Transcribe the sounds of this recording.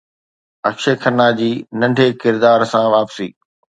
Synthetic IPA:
ɐkʃekʰɐnad͡ʑiːnɐ̃ɳɖʱekɪɾd̪aːɾsãʋaːpsiː

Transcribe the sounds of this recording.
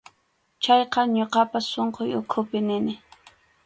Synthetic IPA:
t͡ʃɑjqɑɲoqɑpasoɴqojʊkʰʊpɪnɪnɪ

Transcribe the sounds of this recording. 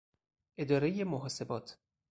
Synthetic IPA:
ʔe̞d̪ɒːɾejemoɦɒːse̞bɒːt̪ʰ

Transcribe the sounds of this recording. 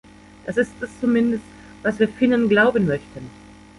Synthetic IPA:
d̥asɪstɛst͡sumɪndəst | v̥asv̥iːɐfɪnənɡlaʊbənmœçtən

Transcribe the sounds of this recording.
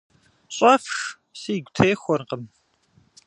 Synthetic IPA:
ɕʼɐfx | siːɡʷtʰeːxʷɔrqəm

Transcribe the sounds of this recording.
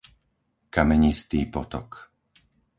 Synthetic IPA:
kamɛɲist̪iːpɔt̪ɔ̰k

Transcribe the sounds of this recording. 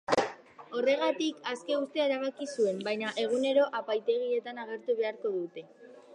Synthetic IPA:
o̞re̞ɣ̞at̪ikaske̞ust̪eaeɾaβ̞akisue̞mbajɲaʔe̞ɣ̞une̞ɾo̞ʔapajt̪e̞ɣ̞ie̞t̪anaɣ̞e̞ɾt̪uβe̞aɾko̞ðut̪e̞

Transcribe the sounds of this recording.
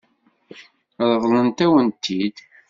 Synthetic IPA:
ðˤəðˤlənt̪æwənt̪ʰːid̪

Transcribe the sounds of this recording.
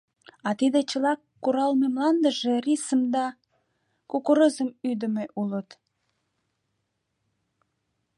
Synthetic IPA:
ɑt̪id̪et͡ɕəlɑkːuɾɑlmemlɑnd̪əʒerisəmd̪ɑ | kukuɾəzəmyd̪əmeʔulət̪

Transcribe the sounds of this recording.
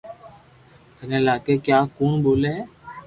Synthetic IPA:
t̪ənẽːlaːkeːkjaːkuːɳboːleɦː

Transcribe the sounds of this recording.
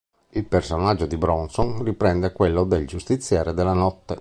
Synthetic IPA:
ilpersonad͡ʒːod̪ibɾɔnsonripɾɛnd̪ɛkwɛlːod̪eld͡ʒust̪it̪sːjaːɾed̪ɛlːanɔt̪ːe

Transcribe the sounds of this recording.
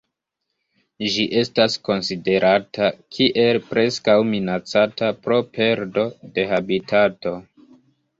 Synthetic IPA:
ʒiʔe̞stasko̞nside̞ɾʔatʰakʰiʔe̞lpɾe̞skawminat͡satapɾo̞pe̞ɾdo̞de̞ɦabitʰato̞

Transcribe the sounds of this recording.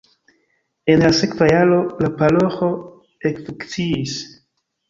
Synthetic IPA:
e̞nlase̞kvajalo̞lapalo̞xo̞ | ekfukt͡siis

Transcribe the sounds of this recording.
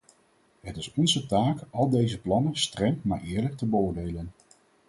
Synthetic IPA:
ɦətɪsɔnzətaːkɑlˠdejzəplɑnənstrɛŋma̰ːɹʔɪːɹlək̚təbəʊːɹdejlən

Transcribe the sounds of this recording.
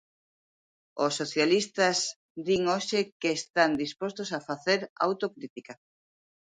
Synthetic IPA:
osːoθjalist̪ɐz | d̪iŋoʃɪkeːst̪and̪ispost̪osafaθeɾa̰wt̪okɾit̪ika

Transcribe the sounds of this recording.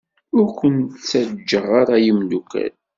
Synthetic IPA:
ʊɾkʷənt̪t͡sːæd͡ʒːəʁaɾˤajimdukːæ̰l

